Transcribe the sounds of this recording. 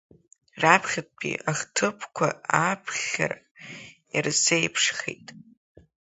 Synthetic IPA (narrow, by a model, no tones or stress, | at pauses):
rapʰχʲat̚ʰʼpʰḭaχʲtʰɨpʰkʷʰa̰apʰχʲa̰r | irzejpʰʂχḛjtʼ